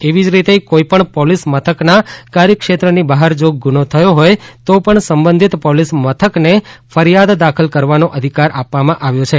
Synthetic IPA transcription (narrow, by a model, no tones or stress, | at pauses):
eʋid͡ʒɾit̪ekoipəɳpɔlismət̪ʰəknakaɾjəkʃet̪ɾənibaɦəɾd͡ʒoɡunot̪ʰəjoɦojt̪opəɳsəmbə̃nd̪ʱit̪pɔlismət̪ʰəknefəɾijad̪d̪akʰəlkəɾʋanoʔəd̪ʱikaɾapʋamãʔaʋjot͡ʃʰe